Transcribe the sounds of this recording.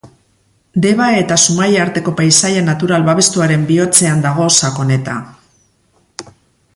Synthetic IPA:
d̪e̞βae̞t̪asumajaɾt̪e̞ko̞pajsajanat̪uɾalβaβe̞st̪uaɾe̞mbio̞t͡se̞and̪aɣ̞o̞sako̞ne̞t̪a̰

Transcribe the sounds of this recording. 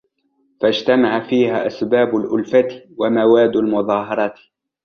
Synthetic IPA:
fad͡ʒt̪amaʕafiːhaːʔasbaːbʊlʔʊlfat̪wamawaːd̪ːalmʊðˤɑːɦɑɾˤɑt̪

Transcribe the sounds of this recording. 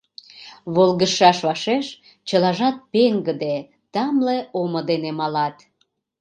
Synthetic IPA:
βolɣəʃɑʃβɑʃeʃ | t͡ɕəlɑʒɑt̪̚peŋɡəd̪e | t̪ɑmleʔomod̪enemɑlɑt̪

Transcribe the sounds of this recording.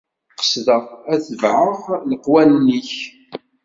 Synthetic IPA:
qə̥sðəʁæθəvʕəʁləqːwænniç

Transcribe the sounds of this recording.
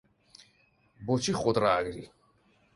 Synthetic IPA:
bɔt͡ʃʰiχʼɔd̪ɾaːɡɾi

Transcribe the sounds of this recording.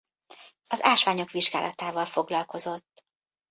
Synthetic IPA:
ɒzaːʃʋaːɲo̞kʋiʒɡa̰ːlʔɒ̰t̪aːvɒlfo̞ɡlɒlko̞zo̞t̪ː

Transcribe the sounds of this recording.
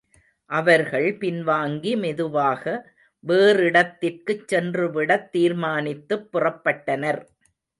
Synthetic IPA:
ʔɐʋɐɾɣɐɭpɪnʋaːŋɡimɛðɯʋaːɣɐ | ʋeːrɪɽɐt̪ːɪrkɯt͡ʃːɛndrɯʋɪɽɐt̪ːiːɾmaːnɪt̪ːɯpːʊrɐpːɐʈːɐnɐɾ

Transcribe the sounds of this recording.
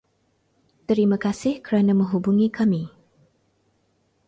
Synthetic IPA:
t̪əɾimakasɪhkəɾanamə̃ŋɦubuŋikʰami

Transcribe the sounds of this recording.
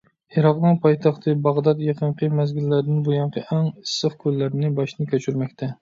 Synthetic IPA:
jeɾɑqnɨŋpʰɑjt̪ʰɑχt̪ʰɨbɑʁd̪ɑt̪jeqʰəɴqʰəmæzɡʲilːæɾd̪ɪnbujɑɴqʰəʔɛŋisɨχkʲʰølːæɾnɪbɑʃnɪkʲøt͡ʃʰyɾmɛkʲt̪ʰɛ

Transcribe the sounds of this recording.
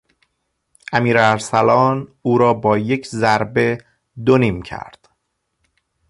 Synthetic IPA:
ʔæmiːɾæɾsælɒːnuːɾɒːbɒːje̞cʰzæɾbe̞ | d̪oniːmcʰæ̰ɾd̪̥

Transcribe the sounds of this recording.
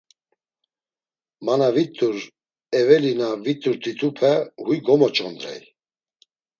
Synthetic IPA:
manavit̪ʼuɾ | ɛvɛlinavit̪ʼuɾt̪ʰit̪ʰupʰɛhujɡɔmɔt͡ʃʼɔnd̪ɾɛ̰j

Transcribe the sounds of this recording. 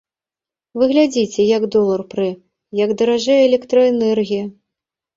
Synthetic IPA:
vɨɣlʲad͡zʲit͡sʲɛjɐɡd̪ɔlˠɐrpɾɨ | jɐɡd̪ɐɾaʐɛɛlʲɛkt̪ɾɐɛnɛrɣʲijɐ

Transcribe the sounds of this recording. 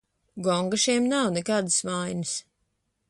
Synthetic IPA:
ɡɔŋɡaʃiɛmnawnɛkaːd̪ɨsvajnɨs

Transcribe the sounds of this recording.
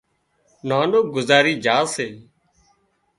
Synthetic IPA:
naːnɗoːɡʊzaːɾiːd͡ʒaːseː

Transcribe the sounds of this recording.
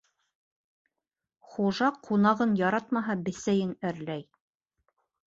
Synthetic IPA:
χuʒɑqʰunɑʁɤnjɑɾɑt̪mɑɦɑbɘ̆sæjɘŋæɾlæj

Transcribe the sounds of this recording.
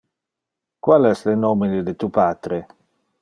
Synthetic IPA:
kwalɛslenomined̪et̪upaːt̪ɾe

